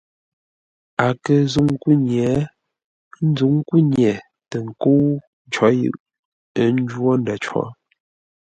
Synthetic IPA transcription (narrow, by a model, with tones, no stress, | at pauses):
a˨kə˨zu˦˨ŋ˦ku˦ɲɛ˨˦ | n̩˦zu˨˦ŋ˦ku˦ɲjɛ˨ | tə˨ŋ̩˨ko˦ | t͡ʃɔ˨˦jɯ̰˦ʔ | ə˦n̩˦d͡ʒwɔ˦nda˨t͡ʃwɔ̰˨˦